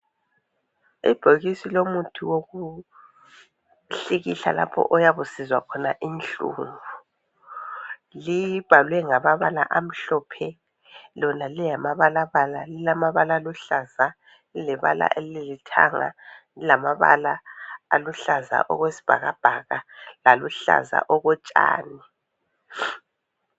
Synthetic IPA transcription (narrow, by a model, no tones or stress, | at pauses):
ḭb̥ʱoɣisilomutʰuwoɣu | ɬiɣiɬa̰la̰pʰɔ̰ʔɔjaβusizwa̰kʰɔnaʔinɬṵːɱvu | liβ̥ʱalwɛŋamaβala̰ʔam̩ɬɔːpʰɛ | lɔnalijamaβalaβalalilamaβalaluɬaza | lilɛβa̰la̰ʔelilitʰa̰ŋa̰ | ilamaβa̰laːluɬaza̰ʔɔ̰ɣwesi̥b̥ʱaɣab̥ʱaɣalaluɬa̰za̰ʔɔɣɔt͡ʃʼa̰ːni